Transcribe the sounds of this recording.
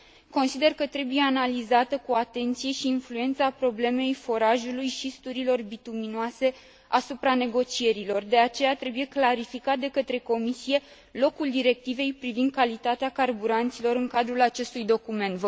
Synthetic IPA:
ko̞nsid̪e̞rkət̪ɾe̞buje̞analizat̪əkuat̪e̞nt̪sije̞ʃiːnflue̞nt̪sapɾo̞ble̞me̞jfo̞ɾaʒulujʃist̪uɾilo̞rbit̪uminoase̞ | asupɾane̞ɡo̞t͡ʃije̞ɾilo̞rd̪e̞at͡ʃe̞jat̪ɾe̞buje̞klaɾifikat̪̚d̪e̞kət̪ɾe̞ko̞misije̞ | lo̞kuld̪iɾe̞k̚t̪ive̞jpɾivind̪̚kalit̪at̪eakarbuɾant̪silo̞ɾɨŋkad̪ɾulat͡ʃe̞st̪ujd̪o̞kume̞nt̪və

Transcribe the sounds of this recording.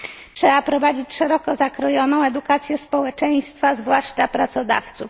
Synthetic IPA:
ʂɛapɾɔvad͡ʑit͡ɕʂɛɾɔkɔzakɾɔjɔnɔ̃w̃ɛd̪ukat̪sʲjɛspɔwɛt͡ʂɛj̃st̪fazvwaʂt͡ʂapɾat̪sɔd̪a̰ft̪suf

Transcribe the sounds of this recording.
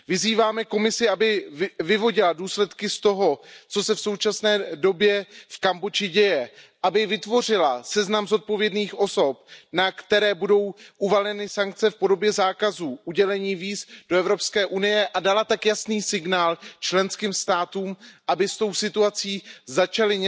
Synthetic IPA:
vɪziːvaːmɛko̞mɪsɪʔabɪvɪvo̞ɟɪladuːslɛt̪kɪst̪o̞ɦo̞t͡so̞sɛfso̞wt͡ʃasnɛːdo̞bjɛfkambot͡ʃɪɟɛjɛʔabɪvɪt̪vo̞r̝ɪlasɛznamzo̞t̪̚po̞vjɛdniːxʔo̞so̞p̚nakt̪ɛɾɛːbudo̞wʔuvalɲɛnɪsaŋk̚t͡sɛfpo̞do̞bjɛzaːkazuːʔuɟɛlɛɲiːviːzd̥oɛvɾopskɛːʔunɪjɛʔadalat̪akjasniːsɪɡnaːlt͡ʃlɛnskiːmst̪aːt̪uːmʔabɪst̪o̞wsɪt̪uat͡siːzat͡ʃalɪɲ

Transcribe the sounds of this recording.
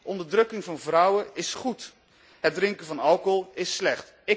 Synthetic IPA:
ɔndəɹdrɵkɪŋvɑnvrʌwəɪsχut | ɦədrɪŋkəvɑnɑlˠkɔlˠɪslɛχt | ɪ

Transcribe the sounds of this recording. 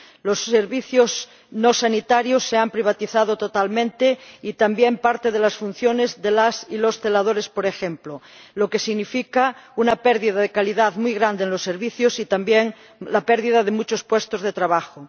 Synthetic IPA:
loseɾβiθjoz | nosanit̪aɾjosːeampɾiβ̞at̪iθað̞ot̪ot̪almẽnt̪eit̪ambjempaɾt̪eð̞elasfun̟θjonezðelasilost̪elað̞oɾespoɾexẽmplo | loke̞siɣnifikaunapeɾðiðaðekaliðaðmujɣɾand̪enlosːeɾβiθjosit̪ambjeŋ | lapeɾðiðaðemut͡ʃospwest̪ozðet̪ɾaβ̞axo

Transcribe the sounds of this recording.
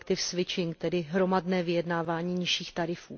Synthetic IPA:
kt̪ɪfsvɪt͡ʃɪŋk̚t̪ɛdɪɦɾo̞madnɛːvɪjɛdnaːvaːɲiːɲɪʃiːxt̪aɾɪfuː

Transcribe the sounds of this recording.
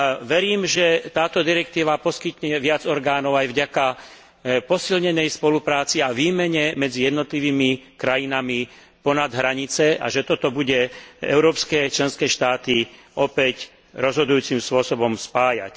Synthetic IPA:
ʋɛɾiːmʒɛt̪aːt̪ɔd̪iɾɛk̚t̪iːʋapɔskit̪ɲɛʋɪad͡zɔɾɡaːnɔʊajvɟaka | pɔsilɲɛnɛjspɔlupɾaːt͡siaʋiːmɛɲɛmɛd͡zijɛd̪nɔt̪liʋiːmikɾajinami | pɔnad̪ɦɾaɲit͡sɛʔa̰ʒɛt̪ɔt̪ɔbuɟɛɛ̰ʊɾɔːpskɛt͡ʃlɛnskɛːʃt̪aːt̪i | ɔpɛc | ɾɔzɦɔd̪ujuːt͡simspʊɔsɔbɔmspaːja̰c

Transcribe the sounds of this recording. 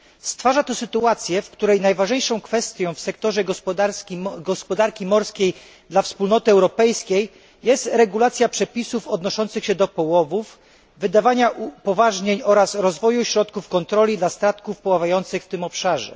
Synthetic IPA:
st̪faʐat̪ɔsɘt̪uat̪sʲjɛfkt̪uɾɛjnajvaʐɲejʂɔ̃w̃kfɛst̪ʲjɔ̃w̃fsɛkt̪ɔʐɛɡɔɾʲɡɔspɔd̪aɾkʲimɔɾskʲej | d̪lafspulnɔt̪ɘɛwɾɔpɛjskʲej | jɛst̪ɾɛɡulat̪sʲjapʂɛpʲisufɔd̪nɔʂɔnt̪sɘxɕɛd̪ɔpɔwɔvuf | vɘd̪avaɲaʔupɔvaʐɲeɲɔɾasɾɔzvɔjuɕɾɔt̪kufkɔnt̪ɾɔlʲid̪last̪ɾat̪kufpɔwavajɔnt̪sɘxft̪ɘmɔpʂaʐɛ̰

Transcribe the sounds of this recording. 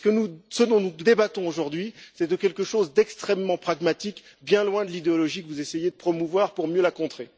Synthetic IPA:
sə̥kənusəd̪ɔ̃nud̪ebat̪ɔ̃oʒuʁd̪ɥisɛd̪əkʲɛlkəʃozd̪ɛkst̪χɛmːɑ̃pχaɡmat̪ik | bjɛ̃lwɛ̃d̪əlid̪eɔlɔʒikəvuzesejed̪əpχɔmuvwaʁpuʁmjølakɔ̃t̪χe

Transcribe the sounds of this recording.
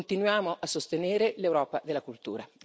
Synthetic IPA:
nt̪inwjaːmoʔasːost̪eneːɾelewɾɔːpad̪elːakult̪ṵːɾa

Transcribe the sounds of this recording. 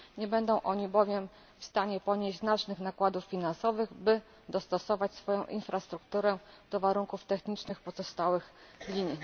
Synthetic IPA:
ɲɛbɛnd̪ɔ̃w̃ʔɔɲibɔvʲjɛm | fst̪aɲɛpɔɲeʑznat͡ʂnɘxnakwad̪ufːʲinansɔvɘɣbɘ | d̪ɔst̪ɔsɔvat͡ɕsfɔjɔ̃w̃ʔḭnfɾast̪ɾukt̪uɾɛd̪̥ɔvaɾuŋkuft̪ɛxɲit͡ʂnɘxpɔzɔst̪awɘxlʲiɲ

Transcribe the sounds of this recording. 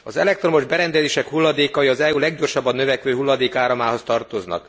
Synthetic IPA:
ɒzɛ̰lɛk̚t̪romo̞ʒbɛɾɛnd̪ɛzeːʃɛkhulːɒd̪eːkɒjiɒzɛulɛɡɟo̞rʃɒbːɒnːøvɛkʋøːɦulːɒd̪eːkaːɾɒmaːɦo̞st̪ɒrt̪oznɒ̰k

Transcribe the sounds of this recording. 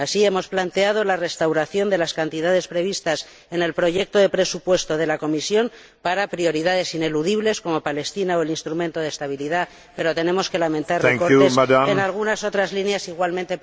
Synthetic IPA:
asie̞mo̞splant̪e̞að̞o̞lare̞st̪awɾaθjo̞nd̪e̞laskant̪iðaðe̞spɾe̞β̞ist̪as | e̞ne̞lpɾo̞ʝe̞k̚t̪o̞ðe̞pɾe̞supwe̞st̪o̞ð̞e̞lako̞misjo̞m | paɾapɾio̞ɾiðaðe̞sine̞luðiβle̞sko̞mo̞pale̞st̪inaoe̞linst̪ɾumẽnt̪o̞ð̞est̪aβ̞iliða | peɾo̞t̪e̞nẽ̞mo̞ske̞lamẽ̞nt̪arekoesaenalɣ̞unaso̞t̪ɾazlinjasiɣwalmẽnt̪e̞

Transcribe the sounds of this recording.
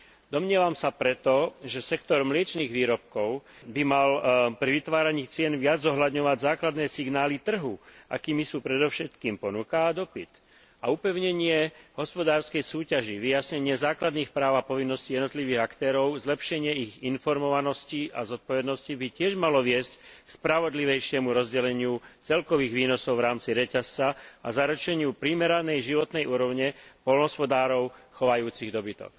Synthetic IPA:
d̪ɔmɲɪɛʋamsapɾɛt̪ɔʒɛsɛkt̪ɔɾmlɪɛt͡ʃniːɣʋiːɾɔp̚kɔʊbimalpɾiʋit̪ʋaːɾaɲiːt͡sɪɛnʋɪad͡zːɔɦlad̪ɲɔʋaɟzaːklad̪nɛːsiɡnaːlit̪r̩ɦuʔa̰kiːmisuːpɾɛd̪ɔfʃɛt̪kiːmpɔnukaːd̪ɔpit̪ | aupɛʊɲɛɲɪɛɦɔspɔd̪aːɾskɛjsuːcaʒiʋijasɲɛɲɪɛzaːklad̪niːxpɾaːʊapɔʋinːɔscijɛd̪nɔt̪liʋiːɣakt̪ɛːɾɔʊzlɛpʃɛɲɪɛiɣinfɔɾmɔʋanɔsciʔa̰zɔt̪̚pɔʋɛd̪nɔscibicɪɛʒmalɔʋɪɛsckspɾaʋɔd̪liʋɛjʃɪɛmuɾɔzɟɛlɛɲɪut͡sɛlkɔʋiːɣʋiːnɔsɔʊʋɾaːmt͡siɾɛcast͡saa̰zaɾut͡ʃɛɲɪupɾimɛɾanɛjʒiʋɔt̪nɛjʔuːɾɔʊɲɛpɔlnɦɔspɔd̪aːɾɔʊxɔʋajuːt͡siɣd̪ɔbit̪ɔ̰k

